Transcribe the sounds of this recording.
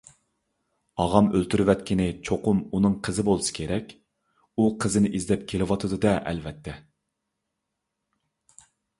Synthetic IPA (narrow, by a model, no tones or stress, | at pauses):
ɑʁɑmølt̪ʰyɾvɛt̪̚kʲʰinɪt͡ʃʰoqʊmunɨŋqʰəzɨbolˠɨsɨ̥kʲʰeɾɛkʲ | uqʰəzɪnɪʔizlɛp̚kʲʰelɪwɑt̪ʰɨd̪ɨd̪ɛʔɛ̰lvɛt̪ʰːɛ